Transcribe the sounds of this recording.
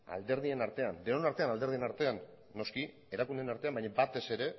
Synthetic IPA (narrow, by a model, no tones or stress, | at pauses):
a̰ld̪e̞ɾð̞ie̞naɾt̪e̞and̪eonaɾt̪e̞anald̪eɾð̞ie̞naɾt̪e̞anː | o̞ski | e̞ɾakund̪enaɾt̪e̞ambajɲabat̪e̞se̞ɾe̞